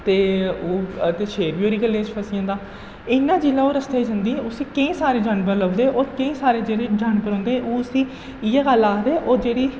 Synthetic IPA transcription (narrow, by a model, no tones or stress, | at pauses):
t̪eːoːt̪eːʃʰeːɾbiːoːɾiːkəlẽːt͡ʃpəsɪjãːd̪aː | ɪnːãːd͡ʒilaːoːɾəst̪eːid͡ʒə̃nd̪iːɛ̃oːsiːkə̃ĩːsaːɾeːd͡ʒaːɳbəɾləʊd̪eːʔoːɾkəĩːsaːɾeːd͡ʒeːɽeːd͡ʒaːɳkəɾɔ̃ːnd̪eːɛʔoːsĩː | ɪjaːɡəlaːkd̪eːʔoːd͡ʒeːɽiː